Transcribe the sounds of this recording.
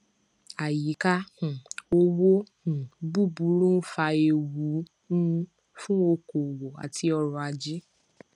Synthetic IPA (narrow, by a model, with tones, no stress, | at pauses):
a˨ji˨˦ka˦ũ˨o˧wo˦ | ũ˨bu˦˨bu˨˧˦ɾũ˦fa˧e˧wu˨˦ | nũ˦˧ | fũ˦o˧ko˨wo˨a̰˨ti˧˦ɔ˧ɾɔ̃˧a˧d͡ʒi˦